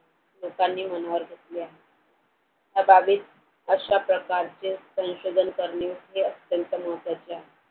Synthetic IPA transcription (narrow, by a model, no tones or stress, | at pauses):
lokanːiːmənaʋəɾɡʱet̪leaɦe | ɦ̪abʱabiːt̪̚ | əɕapɾəkaɾt͡sesə̃w̃ɕod̪ʱənkəɾɳeɦeət̪jənt̪əməɦət̪ʋat͡ɕeaɦe